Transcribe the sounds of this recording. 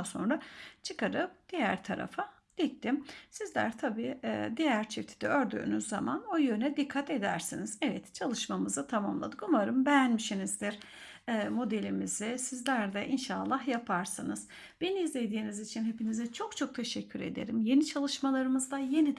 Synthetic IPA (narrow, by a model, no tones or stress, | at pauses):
so̞̰nɾat͡ʃʰɯkaɾɯp̚d̪̥ijæɾt̪ʰaɾa̰fa | d̪̥ic̚t̪ʰimsizlʲæ̰ɾt̪ʰabiːd̪ijæɾt͡ʃʰift̪ʰi̥d̪ʰiø̞ɾd̪y̰ːnyzzːama̰nojøɾnɛd̪ikʰːat̪e̞d̪æ̰ɾsinizɛvɛt̪t͡ʃʰalˠɯʃmamɯzɯt̪ʰama̰mlˠa̰d̪ɯkuvaɾɯmbɛjænmiʃinizd̪iɾ̥ | ɛmo̞d̪e̞lʲimizisizlʲæɾd̪ɛʔinʃaːlˠːaɦjapʰaɾsɯnɯz̥ | b̥eniizlʲe̞jd̪iːnizit͡ʃʰinɦepʰinizɛt͡ʃʰo̞kt͡ʃʰo̞k̚t̪ʰe̞ʃɛcʰːyɾe̞̰d̪e̞̰ɾimje̞nit͡ʃʰalˠɯʃmalˠaɾɯmɯzd̪aje̞nid̪